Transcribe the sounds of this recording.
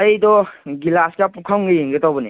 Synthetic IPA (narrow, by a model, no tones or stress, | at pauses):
ajdɔɡilaskapukʰawŋɡɯjiŋɡɯtabɔni